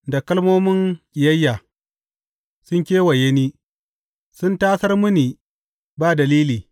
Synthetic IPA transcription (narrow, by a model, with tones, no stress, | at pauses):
da˨kɐ˦lmoː˦mɪ˦ŋʔʲʼɪ˨jɐ˦jːa˨ | sʊ˦ŋkʲeː˦wa˨je˦niː˦ | sʊ˦ntaː˦sɐ˦rmʊ˦niː˨ | baː˦dɐ˨liː˦liː˨